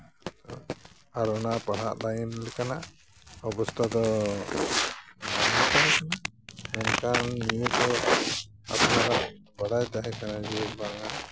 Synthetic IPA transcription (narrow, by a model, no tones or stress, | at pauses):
t̪ɔ | aɾɔnapaɦaʔlajɛnlɛkana | ɔbɔst̪ɔd̪ɔ | nak̪anɛkanaɛnkanːijut̪ɔ | a̰pnaɾaʔ | baɽajd̪aɦɛkanad͡ʒɛbaŋa